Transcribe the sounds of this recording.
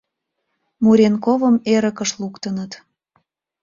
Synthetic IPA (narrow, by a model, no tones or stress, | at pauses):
muɾʲenkovəmeɾəkəʃlukt̪ənət̪